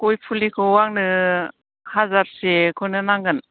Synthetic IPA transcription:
kojpʰulikʰɔwaŋnɯ | hazaɾsekʰɔnɯnaŋɡɯn

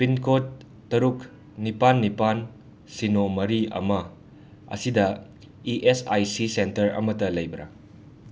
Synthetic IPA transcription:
pinkotː | ɐɾuk | nipanːipan | sinomɐɾiɐ̰mɐ | ɐ̰sidɐ | iʔesajsisentɐɾɐ̰mɐtɐlɐjbɐɾɐ̰

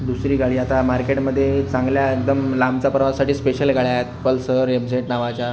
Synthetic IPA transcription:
d̪usɾiːɡaɭiːat̪amaɾkeʈməd̪ʱːjet͡sãŋɡljaekd̪əmlambt͡sapɾʋasaʈiːspeɕəlɡʱaɭjaet̪pəlsəɾebd͡zeʈnaʋat͡ɕa

